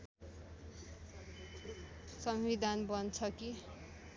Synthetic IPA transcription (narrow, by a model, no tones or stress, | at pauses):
sʌmwid̪ʱanbʌnt͡sʰʌki